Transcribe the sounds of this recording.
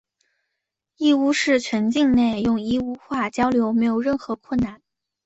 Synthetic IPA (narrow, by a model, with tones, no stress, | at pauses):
i˥˩u˥ʂɻ̩˥˩t͡ɕʰɥɛ˧˥nt͡ɕi˥˧ŋne˥˩ɪjʊ˥˩ŋi˥u˥xwa˥˩t͡ɕjɑ˥ʊljo˧˥ʊme˧˥ɪjo˧˩ʊɻə˥˩nxɤ˧˥kʰwə˥˩nna˥˩n